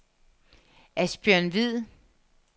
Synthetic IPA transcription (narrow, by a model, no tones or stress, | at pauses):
æsb̥jœɐnʋið̰ˠ